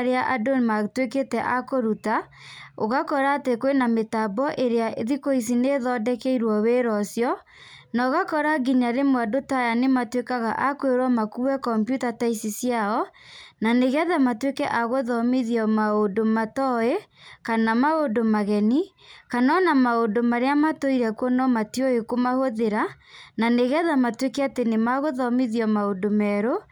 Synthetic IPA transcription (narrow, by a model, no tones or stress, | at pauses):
ɾeaʔadomatweketɛʔakoɾuta | oɣakɔɾatekwenametabɔʔeɾeaeðikois̬ineðɔdɛkɛiɾwɔweɾɔsjɔ | naɣakɔɾaɡiɲaɾemwadotajanematwekaɣa̰ʔakweɾwamakuwɛkɔmpjutataisisjaɔ | naneɣɛðamatwekɛʔaɣoðɔmiðiɔmaondomatɔekanamaondomaɣɛni | kanɔnamaondomaɾeamatoiɾɛkwɔnɔmatjoekomahoðeɾa | naneɣɛðamatwekɛatenemaɣoðɔmiðiɔmaodomɛɾo